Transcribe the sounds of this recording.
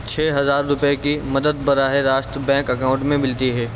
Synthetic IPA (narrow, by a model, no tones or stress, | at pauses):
t͡ʃʰeːɦɐzaːɾːʊpekimɐd̪əd̪bɐɾaːɦeɾaːʃt̪ɾəbɛ̃ːŋkɐkaːʊ̃ɳʈmẽmɪlt̪iɦɛː